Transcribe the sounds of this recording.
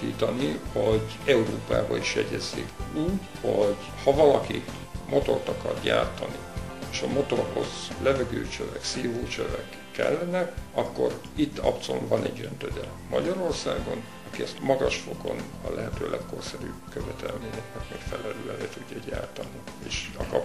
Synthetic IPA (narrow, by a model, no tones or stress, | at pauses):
iːt̪ɒnihoɟɛuɾoːpaːbɒiʃjɛɟɛzːikuːɟ | hoɟ | hɒvɒlɒki | mʔo̞t̪o̞rt̪ɒkɒrɟa̰ːrt̪ɒnieːʃɒmo̞t̪o̞rho̞z̥lɛvɛɡøːt͡ʃøvɛksiːɦoːt͡ʃøvɛkːɛlːɛnɛkɒkːo̞r | it̪ːɒpt̪sonvɒnɛɟːønt̪ød̪ɛ | mɒɟɒɾo̞rsaːɡo̞n | ɒkiɛst̪mɒɡɒʃfo̞ko̞n | ɒlʔɛɦɛt̪øːlʔɛkko̞rsɛɾyːbkøvɛt̪ʰɛlmeːɲɛknɛkmeːkfɛlɛløːɛleːt̪uɟːɒɟaːrt̪ɒnieːʃɒkɒp